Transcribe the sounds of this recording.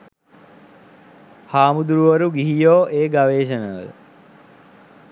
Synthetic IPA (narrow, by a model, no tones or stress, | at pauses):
haːmud̪uɾuʋəɾuɡiɦijoːʔeːɡaʋeːʃ̬ənəʋə̰l̰